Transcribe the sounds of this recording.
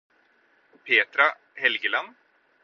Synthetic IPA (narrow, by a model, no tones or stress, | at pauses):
pʰeːt̪ɾa | hɛlɡəlan